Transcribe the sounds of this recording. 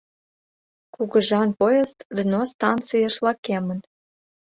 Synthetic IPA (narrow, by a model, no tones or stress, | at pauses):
kuɣə̆ʒɑnpojest̪d̪ənost̪ɑnt͡sɨjɑʃlɑkemən